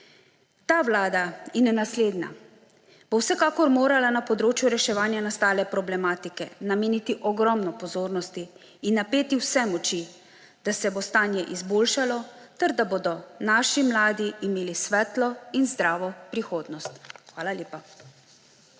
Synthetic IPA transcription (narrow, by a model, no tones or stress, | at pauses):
t̪aːʋlaːd̪ajɛnɛnasleːd̪na̰ | b̥owsɛkaːkɔɾmoːɾalanapɔd̪ɾoːt͡ʃjuɾɛʃɛʋaːnjanast̪aːlɛpɾɔblɛmaːt̪ikɛ̰nameːnit̪iʔɔɡɾɔmnɔpɔzoːɾnɔst̪iː | nːapeːt̪iwsɛmɔt͡ʃi | d̪̥asɛbost̪aːnjɛʔizboːlʃalɔt̪ɛɾd̪aboːd̪ɔnaːʃimlaːd̪iːmeːlisʋɛt̪lɔinzd̪ɾaːʋɔpɾixoːd̪nɔst̪xʋaːlalʲjeːpa